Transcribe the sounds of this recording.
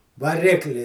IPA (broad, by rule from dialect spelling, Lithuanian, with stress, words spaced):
ʋɐˈrʲɪklʲɪ